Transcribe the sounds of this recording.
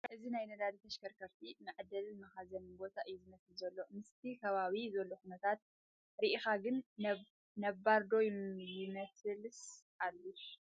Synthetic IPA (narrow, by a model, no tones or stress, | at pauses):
ʔɨzinajnɐd̪ad̪it̪ʰɐʃkʰɐɾkʰɐɾt̪ʰimɨʕd̪ɐlmɐxazɐnbo̞t̪ʰaʔɨjːuzɨmɐslzɐlːo̞mɨst̪ʰikʰɐβaβizɐlːoxunɐt̪ʰat̪̚ | ɾiʔixaɡɨn | nɐβaɾd̪o̞jjumɐsɨls | alːu